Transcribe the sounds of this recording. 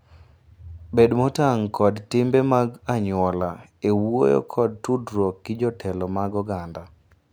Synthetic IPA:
bedmɔtaŋkɔdtɪmbemaɡaɲwɔlaewwo̰jɔ̰kʰɔd̚tudɾɔkɡɪd͡ʒɔtʰɛlɔmaɡɔɡanda

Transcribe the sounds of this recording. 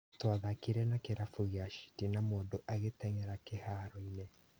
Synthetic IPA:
twaðakiɾɛnakeɾafuɣeaʃi̥tinamoːndoʔaɣetɛŋɛɾakehaɾɔine

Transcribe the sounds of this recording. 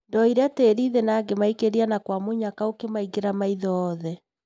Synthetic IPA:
dɔiɾeateɾiðenaːɡemaikeɾianakwamoɲakaokemaiɡeɾamaiðɔɔðɛ

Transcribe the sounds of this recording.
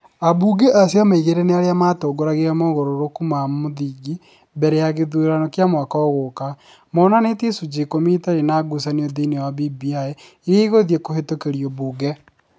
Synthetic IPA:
abuːɡeʔasjamaiɣeɾeneaɾeamatoɡoɾaɣeɾɛmoɣoɾoɾokumamoðiːɡi | bɛɾɛjaɣeðueɾanokeamwakaɔɣoka | mɔnanetisud͡ʒekomitaɾenaɡusaneoðinewabibiae | iɣeiɣoðjekohetokeɾijoβuːɡɛ

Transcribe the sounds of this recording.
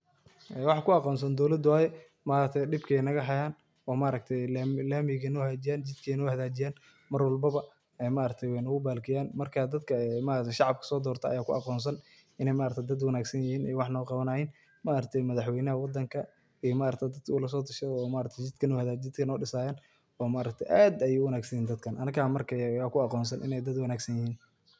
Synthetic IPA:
ʔɛwɑħɑkʰʊɑqɔːns̬ɐnd̪ɔwlɐd̪waːjɛ | maːɾɐk̚t̪ʰɛjɖɪbkʰɛjnɐɣɐɦɐjaːn | ɔːmaːɾɐk̚t̪ʰɛjlaːmɪɣɐnɔhaːd͡ʒɪjaːnt͡ʃɪd̪kʰɛnɔːhɐðaːt͡ʃɪjaːn | mɐrwɑlbɐβɐ | ɛmaːɾɐk̚t̪ʰɛjwɛjnɐɣʊbaːlkʰɪjaːnmɐrkʰad̪ɐd̪kʰɐmaːʔɾɐt̪ʰɛʃɑʕɑb̚kʰɐ̥sɔːd̪ɔːrt̪ʰɐ̰jaːkʰʊʔɑ̰qɔːnsɐn | ʔɪnɛjmaːɾɐkt̪ʰɛd̪ɐd̪wɑnaːɡsɐnjɪhiːnɛjwɑħnɔːqɑβɐnɐhɛjn | maːɾɐt̪ʰɛjmɐðɑħwɛjnɐɦɐwɑd̪ɐŋkʰɐ | ijɔmaːɾɐk̚t̪ʰɛd̪ɐd̪̚kʰʊlɐs̬ɔːt̪ʰʊʃɐɔːmaːɾɐkt̪ʰɛjt͡ʃɪd̪kʰɐnɔːhɐðaːt͡ʃɪd̪kʰɐnɔːɖɪsaːjaːn | ɔːmaːɾɐk̚t̪ʰɛjʔaːd̪ɐjiwɐnaːɡsɐnɛːnd̪ɐd̪kʰɐnʔɐnɐkʰaːmɐrkʰɐjaːkʰʊɑqɔːnsɐnʔɪ̰nɛjd̪ɐd̪wɑnaːɡsɐnjɪhiːn

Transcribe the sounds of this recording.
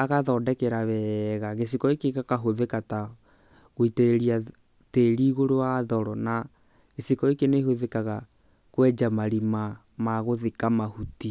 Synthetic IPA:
aɣaðɔːdɛkɛɾaβɛɣaɣes̬ikɔekekakaɦoðekata | ɣoiteɛɾia | teɾiːɣoɾowaðɔɾɔna | ɣesikɔekenehoðekaɣa | kwɛd͡ʒamaɾima | maɣoðekamahuti

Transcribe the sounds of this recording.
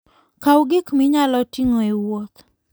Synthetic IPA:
kawɡɪkmɪɲalɔtiŋoewot̪

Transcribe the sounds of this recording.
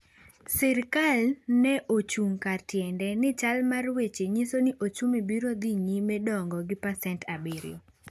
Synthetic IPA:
sɛɾkalnɛʔot͡ʃuŋkatjɛndɛnɪt͡ʃalmarwet͡ʃeɲisoniʔot͡ʃumibiɾod̪iɲimɛdɔŋɡɔɡɪpasɛntʰabiɾɪ̰o

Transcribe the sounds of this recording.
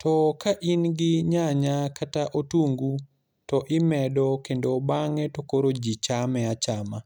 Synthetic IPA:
tʰɔkaʔinɡɪɲaɲakataʔotuŋɡu | tɔʔɪmɛdɔkendobaŋɛtokoɾod͡ʒit͡ʃamɛat͡ʃama

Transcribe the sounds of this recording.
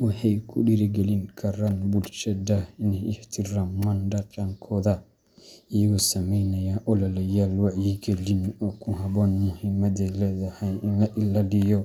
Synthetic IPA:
ɔhɛjkʰṵɗiɾiɡelinkʰaɾanbult͡ʃɛdainiht̪ʰiɾamːandat͡ʃʼaŋkʰɔda | ijɡɔsamejnajaʔɔlalajalwaʔjiɡelinɔkuɦabɔnmuhimːad̪ɛlɛd̪ahajinaʔilalijɔ

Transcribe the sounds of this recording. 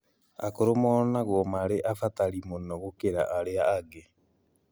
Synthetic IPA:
a̰koɾomɔnaɣomaɾeʔafataɾimonɔɣokeɾa̰ʔaɾeaːɡe

